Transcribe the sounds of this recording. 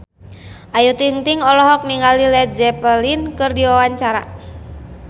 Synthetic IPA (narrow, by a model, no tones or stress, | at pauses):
ʔajut̪int̪iŋɔlɔɦɔk̚niŋalilɛt̪̚d͡ʒɛpəlinkɨrdiwawaɲt͡ʃaɾa̰